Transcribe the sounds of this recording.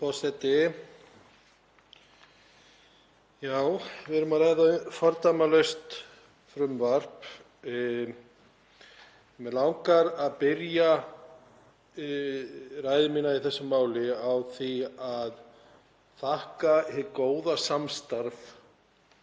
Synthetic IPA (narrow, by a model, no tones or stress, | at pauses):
pɔsɛt̪ɪ | jaːwvɪðɛɾʏmaðɾajðafɔɾt̪amalœɥst̪ | fɾʏmvar̥p | mɛlawŋkaɾaðpɪɾja | raːjðɪminaiθɛsːʏmaːwlɪawθiað | θahkahɪkoːwðasamst̪aɾf